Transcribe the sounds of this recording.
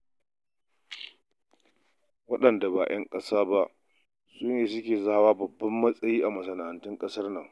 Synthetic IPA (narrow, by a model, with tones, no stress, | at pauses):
wɐ˦ɗɐ˨nda˨ba̰ː˨jʔɐ˦ŋkʼɐ˦saː˦ba˦ʔ | sʊ˦njeː˨s̬ʊ˦kʲeː˨za˦a˦waː˦bɐ˨bːɐ˦mːɐ˦sʼɐ˦jiː˦ʔa˨mɐ˨s̬ɐ˨naː˨ʔɐ˨ntɪ˦ŋkʼɐ˦sɐ˦rnɐ˨ŋ